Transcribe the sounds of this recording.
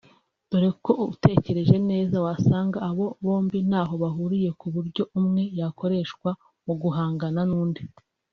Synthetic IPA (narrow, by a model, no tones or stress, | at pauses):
d̥uɾe̞ko̞te̞ce̞ɾe̞ʒe̞ne̞ːzawasaːŋɡaːβo̞βo̞ːmbin̥haːɦo̞βaɦuɾije̞kuβuɾɟo̞umŋe̞jako̞ɾe̞ːʃkwa | muɡuɦaːŋɡananuːnde